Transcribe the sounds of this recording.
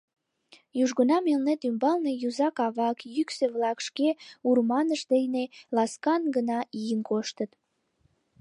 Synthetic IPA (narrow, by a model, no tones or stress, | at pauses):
juʒɣənɑmelnet̪ymbɑlnejuzɑkɑβɑkjykseβlɑkʃkeurmɑnəʃd̪ejnelɑskɑnɡənɑijənkoʃt̪ət̪